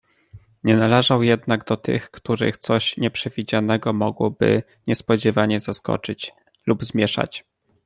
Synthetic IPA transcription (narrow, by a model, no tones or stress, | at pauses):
ɲɛnalɛʐawjɛd̪naɡd̪ɔt̪ɘ̰xkt̪uɾɘ̰xt̪sɔɕɲɛpʂɛvʲid͡ʑanɛɡɔmɔɡwɔbɘ̰ | ɲɛspɔd͡ʑɛvaɲɛzaskɔ̰t͡ʂɘt͡ɕ | lubzmʲjɛʂa̰t͡ɕ